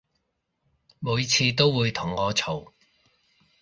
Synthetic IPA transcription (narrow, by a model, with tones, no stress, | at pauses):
muː˨˧jt͡sʰiː˧t̪o˥wwuː˨˧jt̪ʰʊ˨˩ŋːɔː˨˧t͡sʰo˨˩w